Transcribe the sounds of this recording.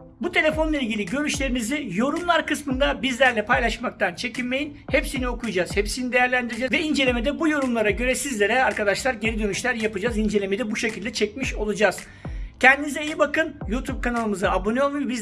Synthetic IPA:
but̪ʰe̞lʲe̞fo̞nlˠailʲɟilʲiɟø̞ɾyʃlʲe̞ɾimizijo̞ɾumlˠaɾkɯsmɯnd̪abizlʲæɾlʲɛpʰajlˠaʃmak̚t̪ʰant͡ʃʰe̞cʰinme̞jin | hepsinio̞kʰujud͡ʒazhepsinid̪e̞jæɾlʲænd̪iɾid͡ʒɛvɛind͡ʒe̞lʲe̞me̞d̪ɛbujo̞ɾumlˠaɾaɟø̞ɾɛsizlʲe̞ɾɛaɾkad̪aʃlˠaɾɟe̞ɾid̪ø̞nyʃlʲæɾjapɯd͡ʒazind͡ʒelʲemed̪ɛbuʃecʰilʲd̪ɛt͡ʃʰɛc̚miʃolˠud͡ʒaz̥ | cʰɛnd̪inizɛejibakɯnjuːt̪ʰub̚kʰanalˠɯmɯzaabo̞nionˠmubiz

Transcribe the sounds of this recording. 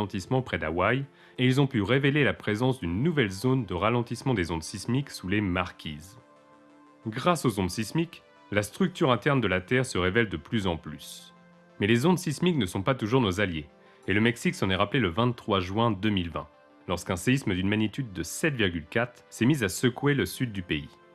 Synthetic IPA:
ɑ̃t̪ismɑ̃pχɛd̪a̰waj | eilzɔ̃pyʁevelelapχezɑ̃sd̪ynːuvɛlzond̪əʁalɑ̃t̪ismɑ̃d̪ezonsismiksulemaʁkʲʰiːz | ɡʁasozõnsismik | last̪χyk̚t̪yʁɛ̃t̪ɛʁnd̪əlat̪ɛʁsəʁevɛld̪əplyzɑ̃plys | mɛlezonsismiknəsɔ̃pat̪uʒuʁnozalje | eləmɛksiksɑ̃nɛʁapleləvɛ̃t̪t̪ːχwaʒɥɛ̃d̪əmilvɛ̰̃ | lɔʁskɛ̃seisməd̪ynmanit̪yd̪ːəsɛt̪viʁɡʲylkʲat̪χsɛmizasəkweləsyd̪̚ːypeḭ

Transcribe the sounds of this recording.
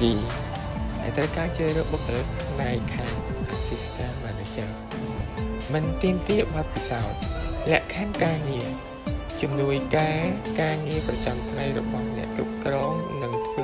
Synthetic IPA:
iː | ɗa̰ɛlt̪rəwkaːt͡ɕəːɾəːɓokːələpʰnajkʰaːŋʔasist̪ʰaːnɓaːnɗɨt͡ɕə | mɨnt̪iəmt̪iəɓɑt̪̚pisaɔt̪̚lɛ̆əʔkʰankaːŋiə | t͡ɕumnuəjkaɛkaːŋiəprɑt͡ɕamt̪ʰŋajrɔ̰ɓɑhnɛ̰̆əʔkɾup̚krɑːŋnɨŋt̪ʰu

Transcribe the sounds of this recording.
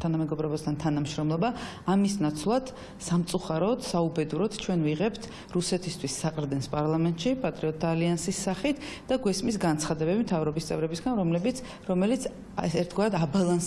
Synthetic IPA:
t̪ʰanamɛɡɔbɾɔbast̪ʰant̪ʰanamʃɾɔmlˠɔbaː | misnat̪sʰlˠad̪̥ | samt̪sʼuχaɾɔd̪saubɛd̪uɾɔd̪̥t͡ʃʰwɛnviʁɛpt̪ʰ | ɾusɛt̪ʰist̪ʰwisːaqʼɾd̪ɛnspʼaɾlˠamɛnt̪ʼʃipʼat̪ʼɾiɔt̪ʰːaːliansisːaχit̪ʰd̪̥aɡwɛsmisɡant̪sʰχad̪ɛbɛbimt̪ʰavɾɔbist̪sʼɛ̰vɾɛbisɡanɾɔmlɛbit̪sʰ | ɾɔmɛlit̪sʰ | ɛɾt̪ʰɡwaɾad̪abalˠans

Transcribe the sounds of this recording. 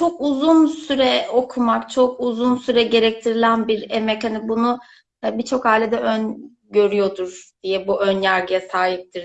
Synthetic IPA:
t͡ʃʰokuzunsyɾɛo̞kʰumakt͡ʃʰo̞kuzunsyɾɛɟe̞ɾɛc̚t̪ʰiɾilʲænbiɾemɛchanibunu | bit͡ʃʰo̞khaːlʲed̪ɛʔøn | ɟø̞ɾyjo̞d̪uɾ̥d̪̥ijɛbuʔønjæɾɡɯjɛsaːɦip̚t̪ʰiɾ

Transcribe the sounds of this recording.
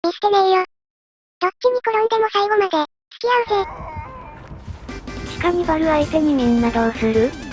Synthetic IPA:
mʲisked̪eijo | d̪̥ott͡ɕːiɲ̟iko̞ɾõnd̪e̞mo̞saiɡo̞mad̪e̞ | t͡sɨ̥kʲiaɯse | t͡ɕi̥kamʲibaɾɯ̟βait̪eɲ̟imiɲnad̪aosɨɾɯ̟

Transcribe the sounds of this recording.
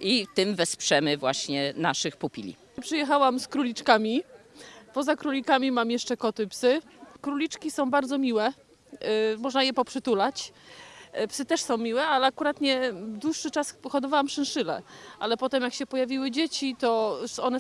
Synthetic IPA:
it̪ɘmvɛspʂɛmɘvwaɕɲɛna̰ʂɘxpupʲḭlʲḭ | pʂɨjɛxawamskɾulʲit͡ʂkamʲi | pɔzakɾulʲikamʲimamjɛʂt͡ʂɛkɔt̪ɘpsɘkɾulʲit͡ʂkʲisɔ̃w̃baɾd̪zɔmʲiwɛ | mɔʐnajɛpɔpʂɘt̪ulat͡ɕ | psɘt̪ɛʂsɔ̃w̃mʲiwɛalɛakuɾat̪ɲɛd̪wuʂːɘt͡ʂaspɔxɔd̪ɔvawamʂɛnʂɘlɛ̰ʔalɛpɔt̪ɛmjakɕɛpɔjavʲiwɘd͡ʑet͡ɕit̪ɔɔnɛ

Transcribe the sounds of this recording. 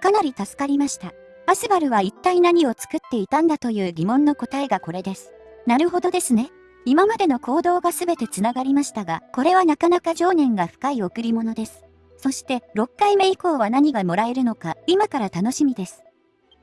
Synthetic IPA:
kanaɾʲit̪asɨ̥kaɾʲimaɕi̥t̪a | asɨbaɾɯ̟βait̪ːainaɲ̟io̞t͡sɨ̥kɯ̟t̪ːe̞it̪ãnd̪at̪o̞jɯ̟ːɡʲimõ̞nːo̞ko̞t̪aeɡako̞ɾe̞d̪e̞sɨ̥ | naɾɯ̟ɦo̞d̪o̞d̪e̞sɨne̞ | imamad̪e̞no̞ko̞ːd̪o̞ːɡasɨbe̞t̪e̞t͡sɨnaɡaɾʲimaɕi̥t̪aɡako̞ɾe̞βanakanakaʑo̞ːnẽ̞ŋɡaɸɯ̟̥kaio̞kɯ̟ɾʲimo̞no̞d̪e̞sɨ̥ | so̞ɕi̥t̪e̞ɾo̞kːaime̞iko̞ːβanaɲ̟iɡamo̞ɾae̞ɾɯ̟no̞kaimakaɾat̪ano̞ɕimʲid̪e̞sɨ̥

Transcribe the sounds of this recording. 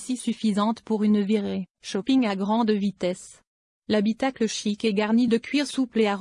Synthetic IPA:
sisyfizɑ̃t̪puʁynviʁeʃɔpiŋaɡʁɑ̃d̪vit̪ɛs | labit̪akləʃikɛɡaʁnid̪əkʲɥiʁsupleaʁ

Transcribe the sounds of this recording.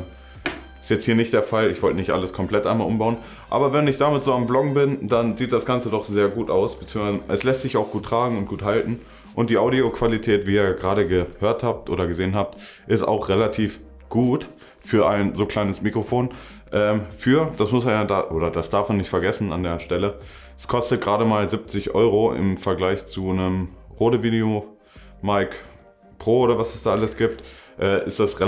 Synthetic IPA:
ɪstjɛt͡sthiːɐnɪçt̚d̥eːɐfalɪçv̥ɔltənɪçtʔa̰ləskʰɔmpl̥ɛtʔaɪnmalʔʊmbaʊən | ʔa̰ːbɐvɛnɪçd̥aːmɪtz̥oːamblɔɡŋ̩bɪndanziːt̚d̥asɡ̥ant͡sədɔχz̥eːɐɡuːtaʊsb̥ət͡siːŋsvazʔɛslɛstz̥ɪçaʊxɡ̥uːtːʁ̥aːɡŋ̩ʊnt̚ɡ̥uːthaltn̩ | ʔʊnt̚d̥iːʔaʊɾiokv̥alitʰɛːtv̥iːiːɐɡʁaːɾəɡəhøːɐthaːp̚tʔoːdɾɐɡəzeːənɦaːp̚t | ʔɪsta̰ʊxʁelatʰiːf | ɡ̥uːt | fyːɐʔaɪnzoːkl̥aɪnəsmiːkʁ̥ofoːn | ʔɛːmfyːɐd̥asmʊsmanjaːdaːʔoːɾɐd̥asd̥aɐfmanɪçtfɛɐɡɛsn̩a̰ndeːɐʃtɛlə | ɛskʰɔstət̚ɡ̥ʁaːɾəmaːlzɪp̚t͡sɪçʔɔ̰ʏʁoʔɪ̰mfɛɐɡlaɪçt͡sunəmʁoːdəviːdeo | maɪk | pʁ̥oːoːɾɐvasɛsd̥aːʔaləsɡ̥iːp̚tʔɛːʔɪstd̥asʁe

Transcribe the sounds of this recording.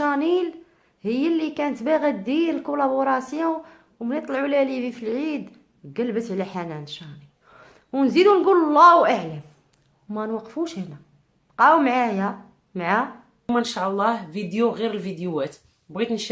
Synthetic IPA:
ænil | həjːælːikænət̪bæɣæd̪iəlkolæboɾˤɑsju | wmnit̪ˤlʕulælivifilʕid̪ | ɡælbət̪ʕlæħænænʃænil | wnzid̪unɡullˤːɑwʔaʕləm | wmænwɑqːfuʃhænæ | qæwmʕajæ | mʕa | mænʃɑlˤːɑhvid̪juɣiɾəlvid̪juwæt̪ | bɣit̪nʃ

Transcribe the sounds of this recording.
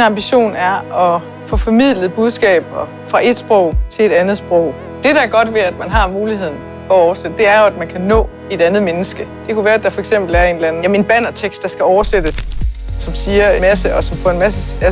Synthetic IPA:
nɑ̈mb̥iɕo̝̰ːnæɐɒ̽ | fɔ̽fɒ̽mið̰ˠləð̩ˠb̥uðˠsɡ̥ɛ̰ːb̥ɐ | fʁɑ̈ʔe̝d̥sb̥ʁɔʊ̰t͡sʰe̝led̥ænð̞̩ˠsb̥ʁɔ̽ʊ̰ | d̥e̝ɾ̥ææɐɡ̥ɒ̽d̥ʋeæd̥mænɦɑ̈nmuːlihe̝ð̰ˠn̩ | fɒ̽æɒʊɐsed̥əd̥e̝æɐjo̝æd̥mænkʰænɔ̰̽ː | e̝d̥ænð̞̩ˠmenəsɡ̥əd̥e̝kʰuʋæːɐæd̥ɑ̈fɒeɡ̥sem̰b̥l̩æɐe̝ːnd̥læn̩jæme̝nb̥æn̰ɒt͡sʰeɡ̥sd̥ɑ̈sɡ̥æɒʊɐsed̥əsːɒ̽msiːɐemæsəɒ̽sɒ̽mfɔ̰̽e̝nmæsəæ

